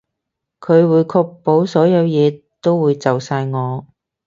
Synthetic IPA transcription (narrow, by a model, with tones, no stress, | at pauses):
kʰɵ˨˧ɥwuː˨˧jkʰɔː˧k̚po˨˥wsɔː˨˥jɐ˨˧wjɛː˨˧ | t̪o˥wwuː˨˧jt͡sɐ˨wsaː˧jŋɔː˨˧